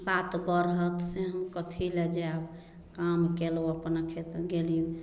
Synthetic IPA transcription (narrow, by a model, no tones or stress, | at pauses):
bat̪bəɾɦət̪seɦəmkət̪ʰilɛd͡ʒɛab | kamkeloəpnakʰet̪ɡeliũ